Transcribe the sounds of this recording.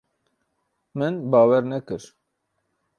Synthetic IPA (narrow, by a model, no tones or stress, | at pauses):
mɨnbɑːwɛɾnɛkɨɾ